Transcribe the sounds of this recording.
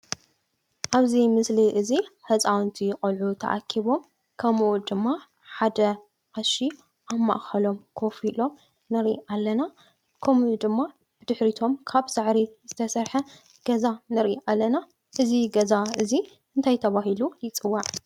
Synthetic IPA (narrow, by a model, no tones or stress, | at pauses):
ʔaβzimɨsliʔɨziħɐt͡sʼawnt̪ʰijxʼɐlʕut̪ʰɐ̰ʔa̰kʰiβo̞m | kʰɐmʔud̪ɨmːa | ħad̪ɐ | ʔaʃi | ʔamːa̰ʔxɐlo̞mkʰo̞filo̞m | nɐɾḭʔalːɐna | kʰɐmud̪ɨmːa | b̥ɨd̪ɨħɾit̪ʰo̞mkʰaβsɨʕɾizɨt̪ʰɐsɐɾħɐ | ɡ̥ɐzanɐɾʔiʔalːɐna | ʔɨziɡɐzaʔɨzi | ɨnt̪ʰajt̪ʰɐβahilujɪt͡sʼɨwːaʕ